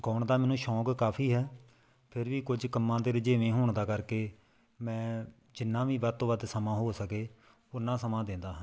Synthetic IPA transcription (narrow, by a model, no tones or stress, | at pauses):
kɔːɳd̪aːmɛːnũːʃɔːkkaːpʰiːɦɛː | pʰɪɾʋiːkʊd͡ʒkəmːãːd̪eːɾɪd͡ʒeːʋẽːɦoːɳd̪aːkəɾkeː | mɛ̃ː | d͡ʒɪnːãːʋiːʋaːt̪ːõːʋəd̪səmãːɦoːsəkeː | ʊnːãːsəmãːd̪ẽːnd̪aːɦə̃